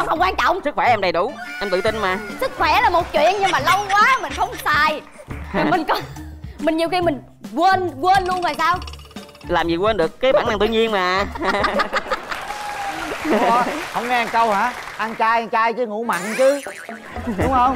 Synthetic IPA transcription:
wha˧˩ŋ͡mkwaː˧nt͡ɕɔ̰˧˨wŋ͡msɨ˦˥k̚xwɛ˧˩ʔɛ˧mɗə˨˩jɗu˧˩ʔɛ˧mt̪ɨ̰˧˨˩t̪i˧nmaː˨˩sɨ˦˥k̚xwɛ˧˩laː˨˩mo˨˩t̚t͡ɕwḭ˧˨ənɲɨ˧ŋmaː˨˩lə˧wkwaː˨˦mï˨˩ŋ̟xə˧wŋ͡msaː˨˩j | aː˨˩mi˨˩ŋ̟kɔ˨˦mï˨˩ŋ̟ɲi˨˩əwxi˧mï˨˩ŋ̟ | kwə˧nkwəː˧nlu˧ənvaː˨˩jsaː˧w | laː˨˩mzi˨˩kwəː˧nɗɨ˨˩əkːaː˨˦ɓaː˧˩na˧ŋt̪ɨ˧ɲi˧ənmaː˨˩˦ | ɔ˨˦hə˧wŋ͡mŋɛ˧ʔa˧nkə˧whaː˨˦ | ʔa˧nt͡ɕaː˧jʔa˧nt͡ɕaː˧jt͡ɕɨ˧˦ŋṵ˧˥ma̰˧˨nt͡ɕɨ˧˦ | ʊ˨˦ŋ͡mhə˧wŋ͡m

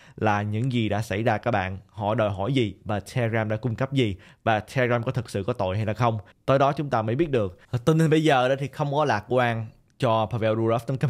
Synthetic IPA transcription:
laː˨˩ɲɨ̰˧˥ŋzi˨˩ɗa̰ː˧˥sa̰˧˩jzaː˧kaː˦˥k̚ɓa̰ː˧˨nhɔ̰˧˩jɗəː˨˩jɦɔ̰˧˩jzi˨˩vaː˨˩a˧ɣaː˧mɗa̰ː˧˥kʊ˧ŋ͡mkə˦˥p̚zi˨˩vaː˨˩aː˧zaː˧mkɔ˨˦t̪ʰɨ˨˩t̚sɨ̰˧˨kɔ˨˦t̪o̰˧˨jɦa˧jlaː˨˩xə˧wŋ͡m | t̪ə˨˦jɗɔ˨˦t͡ɕʊ˨˦ŋ͡mt̪aː˧məː˨˦jɓi˦˥ət̚ɗɨ˨˩ək̚t̪i˧˩n˧nɓə˧jzəː˨˩ɗə˨˦t̪ʰi˨˩xə˧wŋ͡mkɔ˨˦laː˨˩k̚kwaː˧n | t͡ɕɔ˧pʰaː˧vɛ˧wzu˧zɛ˦˥ft̪ə˨˦kə˦˥

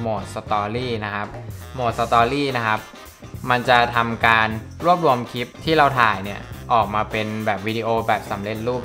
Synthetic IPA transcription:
moː˨˩t̪̚sa˧t̪ɔː˧liː˥˩na˦˥kʰa˦˥p̚moː˨˩t̪̚sa˧t̪ɔː˧liː˥˩na˦˥kʰa˦˥p̚ | ma˧nt͡ɕa˨˩t̪ʰa˧mkaː˧n | ɾu˥˩əp̚ɾu˧əmkʰi˦˥p̚t̪ʰiː˥˩ɾa˧wt̪ʰaː˨˩jni˥˩ɐʔɔː˨˩k̚maː˧pe˧nbɛː˨˩p̚wi˦˧diː˧ʔoː˧bɛː˨˩p̚sa˩˦mle˧t̪̚ɾuː˥˩p̚

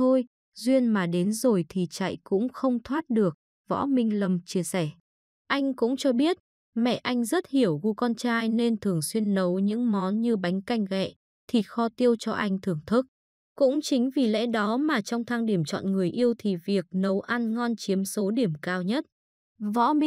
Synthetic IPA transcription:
t̪ʰo˧j | zwi˧ənmaː˨˩ɗe˨˦nzo˨˩jt̪ʰi˨˩t͡ɕa̰˧˨jkʊ̰˧˥ŋ͡mxə˧wŋ͡mt̪ʰwaː˦˥t̚ɗɨ˨˩ək̚ | vɔ̰˧˥mï˧ŋ̟lə˨˩mt͡ɕi˧əsɛ˧˩ | ʔa˧jŋ̟kʊ̰˧˥ŋ͡mt͡ɕɔ˧ɓi˦˥ət̚ | mɛ̰˧˨ʔa˧jŋ̟zə˦˥t̚hi˧˩əwɣu˧kɔ˧nt͡ɕaː˧jne˧nt̪ʰɨ˨˩əŋswi˧ənːə˨˦wɲɨ̰˧˥ŋmɔ˨˦nɲɨ˧ɓa˨˦jŋ̟ka˧jŋ̟ɣɛ̰˧˨ | t̪ʰi˨˩xɔ˧t̪i˧əwt͡ɕɔ˧ʔa˧jŋ̟t̪ʰɨ˨˩əŋt̪ʰɨ˦˥k̚ | kʊ̰˧˥ŋ͡mt͡ɕï˨˦ŋ̟vi˨˩lɛ̰˧˥ɗɔ˨˦maː˨˩t͡ɕɔ˧wŋ͡mt̪ʰa˧ŋɗi˧˩əmt͡ɕɔ̰˧˨nŋɨ˨˩əjʔi˧əwt̪ʰi˨˩vi˨˩ək̚nə˨˦wʔa˧nŋɔ˧nt͡ɕi˨˦əmso˨˦ɗi˧˩əmkaː˧wɲə˦˥t̚ | vɔ̰˧˥˧

